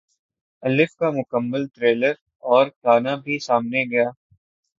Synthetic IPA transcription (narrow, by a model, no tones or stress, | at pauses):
ɐlɪfkamʊkəmːəlt̪ɾeːləɾ | ɔːɾkaːnabʱisaːmneɡɐjaː